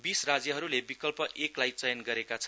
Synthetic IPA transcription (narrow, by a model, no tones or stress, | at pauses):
bisrad͡zjʌɦʌɾulebikʌlpʌʔeklajt͡sʌjʌnɡʌɾekat͡sʰʌn